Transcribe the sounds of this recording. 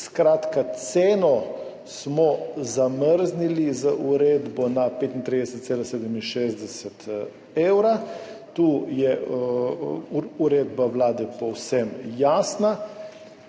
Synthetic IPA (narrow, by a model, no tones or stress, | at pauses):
skɾaːt̪kat̪seːnɔ | smɔzaməɾznilizəʔuɾeːd̪bɔnapeːt̪int̪ɾid̪ɛsət̪seːlaseːd̪əminʃeːzd̪ɛsɛt̪ | eːwɾat̪uːjɛ | uɾeːd̪bawlaːd̪ɛpɔwsɛmjaːsna